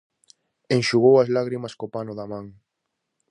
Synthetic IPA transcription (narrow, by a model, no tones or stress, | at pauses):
eŋʃuɣowɐzlaɣɾimɐskopanʊðamãŋ